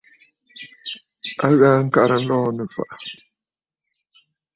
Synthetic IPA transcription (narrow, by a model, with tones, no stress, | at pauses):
a˦ɣaː˦ŋ̩˦ka˨ɾə˨n̩˦lɔ˦˨nə˨fa̰˨ʔa˨